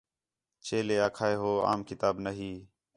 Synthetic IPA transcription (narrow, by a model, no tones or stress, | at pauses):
t͡ʃeːleːaːkʰaːeːɦoːa̰ːmkɪt̪aːbnəɦiː